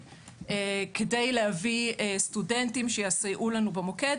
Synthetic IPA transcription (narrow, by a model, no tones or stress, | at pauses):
ekedejleaviestudentimʃejasajʔulanubemoked